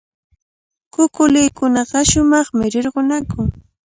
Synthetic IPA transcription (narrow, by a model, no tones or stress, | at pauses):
kʊkʊlɪjkʊnɑɢɑʃʊmɑχmɪɾɪɾɢonakʊŋ